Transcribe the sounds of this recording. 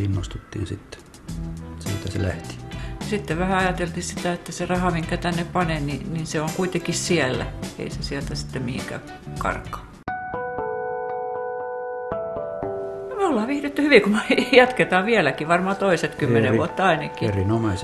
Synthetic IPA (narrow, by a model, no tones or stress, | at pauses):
inːost̪ut̪ːḭːnsit̪ːe̥ | seːt̪ːæsḛlæ̰ht̪i̥jɑsit̪ːeʋʋæhæɑjɑt̪elt̪ihsit̪æet̪ːæserɑhɑmiŋkæt̪ænːeppɑnenininseoŋkuit̪ekissiælːæ̰ḛisesiælt̪æsi̥t̪ːemmihḭŋkæ̰ː | kɑ̰rkːˑɑ̥ː | olːɑʋihret̪ːyhyʋikumejɑt̪ket̪ɑːʋiælækiʋɑrmɑːt̪oiset̪kyːeneʋuot̪ːɑɑinɑkːierinomese